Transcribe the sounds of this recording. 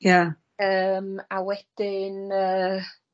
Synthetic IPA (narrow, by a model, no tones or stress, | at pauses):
ja | əːmawɛd̥ɪnəː